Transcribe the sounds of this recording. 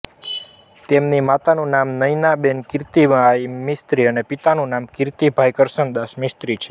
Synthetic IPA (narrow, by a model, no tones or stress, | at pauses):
t̪emnimat̪anũnamnəjnabenkɪɾt̪ibajmɪst̪ɾiənepit̪anũnamkɪɾt̪ibʱajkəɾʃənd̪aʃmɪst̪ɾit͡ʃʰe̥